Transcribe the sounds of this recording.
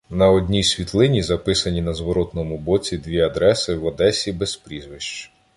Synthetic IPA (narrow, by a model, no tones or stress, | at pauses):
nɐɔd̪ʲnʲijsʲʋʲit̪lˠɪnʲizɐpɪsɐnʲinɐzʋɔɾɔt̪nɔmʊbɔt͡sʲid̪ʋʲiɐd̪ɾɛsɪwɐd̪ɛsʲibespɾʲizʋɪʃt͡ʃ